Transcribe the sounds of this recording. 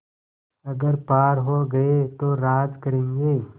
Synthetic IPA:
ɐɡəɾpaːɾɦoːɡɐet̪oɾaːd͡ʒkɐɾẽːŋɡeː

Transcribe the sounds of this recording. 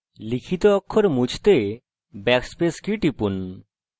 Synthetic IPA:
likʰit̪oɔkʰːoɾmud͡ʑʰt̪e | bɛkspeskɾiʈipun

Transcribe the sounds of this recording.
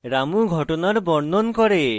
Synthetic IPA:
ɾamuɡʱɔʈonaɾbɔɾnɔnkɔɾe

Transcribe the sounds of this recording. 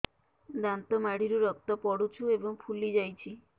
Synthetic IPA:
d̪ant̪ɔmaɽiɾuɾɔkt̪ɔpɔɽut͡ʃʰuebɔŋpʰulid͡ʒajt͡ʃʰi

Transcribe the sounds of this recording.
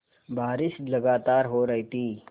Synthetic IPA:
baːɾɪʃlɐɡaːt̪aːɾɦoɾɐɦit̪iː

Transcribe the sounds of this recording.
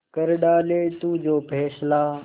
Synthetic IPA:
kəɾɗaːleːt̪uːd͡ʑoːpʰɛːslaː

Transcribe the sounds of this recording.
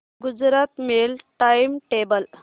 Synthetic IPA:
ɡud͡ʒɾat̪melʈajmʈebəl

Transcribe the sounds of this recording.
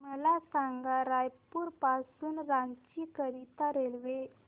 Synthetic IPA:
məlasaŋɡaɾajpuːɾpasuːnɾaɲt͡ɕikəɾit̪aɾelʋe

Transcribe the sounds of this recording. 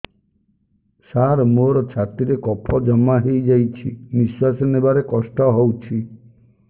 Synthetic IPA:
saɾmoɾɔt͡ʃʰat̪iɾekɔpʰɔd͡ʒɔmaɦejd͡ʒajt͡ʃʰḭmiswasɔnebaɾekɔsʈɔɦowt͡ʃʰi

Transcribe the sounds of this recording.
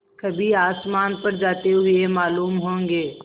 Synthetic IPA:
kɐbʱiaːsmaːnpɐɾd͡ʒaːt̪eɦʊemaːluːmɦõːŋɡeː

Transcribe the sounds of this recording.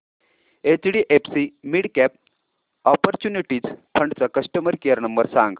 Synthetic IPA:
et͡sɽiːʔepʰsimiɽkɛp̚ | ɔpəɾt͡ɕuniʈiːd͡zpʰəɳɖt͡sakəsʈəməɾkijəɾnəmbəɾsaŋɡ

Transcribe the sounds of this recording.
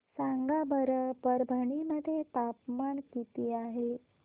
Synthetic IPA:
saŋɡabəɾəpəɾbʱəɳiməd̪ʱːjet̪apmankit̪iːaɦe

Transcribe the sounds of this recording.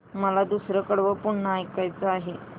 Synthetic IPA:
məlad̪usɾəkəɽʋəpuɳɳəajkajt͡səaɦe

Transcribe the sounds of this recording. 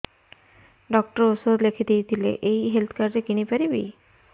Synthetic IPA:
ɖɔk̚ʈɔɾosoɾlekʰid̪ijt̪ʰilḛʔejɦelt̪ʰkaɾd͡ʑekiñipaɾibḭ

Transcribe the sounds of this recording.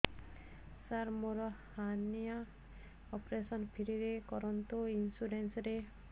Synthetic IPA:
saɾmoɾɔhanija | ɔpɾesɔnpʰiɾiɾekɔɾɔnt̪uinsuɾensɾe

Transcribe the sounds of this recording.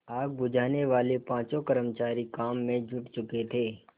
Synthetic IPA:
aːk̚bʊd͡ʒʱaːneʋaːlepãːt͡ʃõkəɾəmt͡ʃaːɾikaːmːẽd͡ʒʱʊʈt͡ʃʊket̪ʰeː

